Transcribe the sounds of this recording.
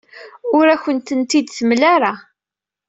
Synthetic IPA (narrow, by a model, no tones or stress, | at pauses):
ʊɾæçənt̪ənt̪id̪θəmlaɾa